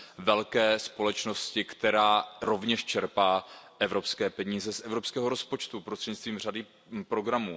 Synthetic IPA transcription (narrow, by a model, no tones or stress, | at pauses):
vɛlkɛːspo̞lɛt͡ʃno̞scɪkt̪ɛɾaːɾo̞vɲɛʃt͡ʃɛɾpaːʔɛvɾo̞pskɛːpɛɲiːzɛsʔɛvɾopskɛːɦo̞ɾo̞spo̞t͡ʃt̪upɾost̪r̥ɛɟɲit͡st̪viːmr̝adɪ | pɾo̞ɡɾamuː